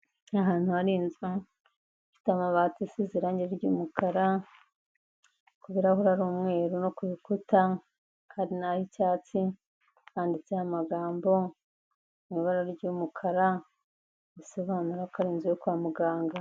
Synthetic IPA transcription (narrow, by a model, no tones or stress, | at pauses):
aɦaːn̥huaɾiːnze | fi̥tamaβaːtisiziɾaɲeɾeɾɟṵːmukaɾa | kuβiɾahuɾaɾuːmŋe̞ːɾuno̞kuβikuta | kʰaːndinahicaːt͡si | aːndit͡sehamaɡaːmbo̞ | nuβaɾaɾɟuːmukʰaɾa | βiso̞βaːnuɾakaɾiːnzjokaːmuɡaːŋɡa